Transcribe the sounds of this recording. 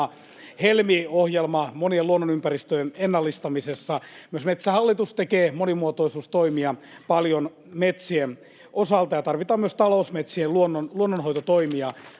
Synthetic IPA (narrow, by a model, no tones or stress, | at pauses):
ɑ | helmiohjelmɑmonieluonːonympærist̪øjenenːɑlːist̪ɑmisesːɑmyøsmet̪sæhɑlːit̪ust̪ekeːmonimuot̪oisuːst̪oimiɑ | pɑljon | met̪sien | ʔosɑlt̪ɑjɑt̪ɑrʋit̪ɑːmyøst̪ɑlousmet̪sieluonːonluonːonhoit̪ot̪oimiɑ